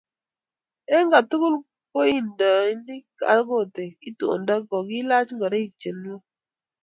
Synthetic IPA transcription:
e˦ŋɡa˨tʊ˦kʊ˦l | ko˦i˦nda˨˦ni˦ka̰˨˦ɡo˦˨te˨i˦to̰˨nda˦ɡɔ˨ɡi˦la˦t͡ʃŋɡɔ˨ɾe˦i˨t͡ʃe˨n˦wɔ˦

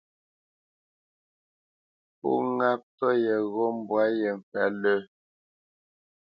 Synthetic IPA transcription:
pṵ˦˨ŋa˦p̚tɔ˦jɛ˨ɣo˦m̩˨bwa˦jɛ˨m˨pɛ˨˦lə˦

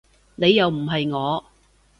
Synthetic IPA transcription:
ne˨˧jːɐ˨wm̩˨˩ɦɐ˨jŋɔː˨˧

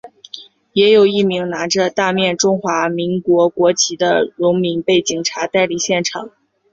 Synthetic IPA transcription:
jɛ˧˥jo˨˩ʊi˥˩mi˧˥ŋna˧˥ʈ͡ʂə˧t̪a˥˧mjɛ˥˧nʈ͡ʂʊ˥ŋxwa˧˥mi˧˥ŋkwɔ˧˥kwɔ˧˥t͡ɕʰi˧˥d̪ə̰˧ɻʊ˧˥ŋmi˧˥ŋpe˥˩ɪt͡ɕi˨˩ŋʈ͡ʂʰa˧˥t̪a˥˧ɪli˥˩ɕjɛ˥˩nʈ͡ʂʰɑ˨˩˦ŋ

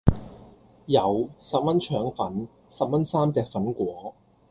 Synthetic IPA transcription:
jɐ˨˩wsɐ˨p̚mɐ˥nt͡ʃʰœː˨˥ŋfɐ˨˥n | sɐ˨p̚mɐ˥nsaː˥mt͡sɛː˨k̚fɐ˨˥nkʷɔː˨˥

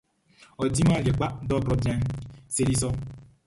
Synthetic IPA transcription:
ɔ˨di˦ma˦˨le˨k͡pa˦dɔ˦ɡɾɔ˨bja˦n˦se˦ɾi˦sɔ˦

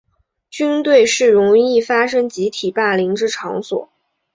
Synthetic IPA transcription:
t͡ɕy˥nt̪we˥˧ɪʂɻ̩˥˩ɻʊ˧˥ŋi˥˩fa˥ʂɤ˥ŋt͡ɕi˧˥t̪ʰi˨˩pa˥˩li˧˥ŋʈ͡ʂɻ̩˥˩ʈ͡ʂʰɑ˧˥ŋswɔ̰˨˩˦

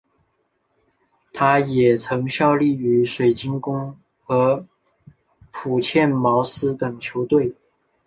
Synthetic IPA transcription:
t̪ʰa˥jɛ˨˩t͡sʰɤ˧˥ŋɕjɑ˥˧ʊli˥˩y˧˥ʂwe˨˩ɪt͡ɕi˥ŋkʊ˥ŋ | xɤ˧˥ | pʰu˨˩t͡ɕʰjɛ˥˩nmɑ˧˥ʊsɹ̩˥t̪ɤ˨˩ŋt͡ɕʰjo˧˥ʊt̪we˥˩ɪ

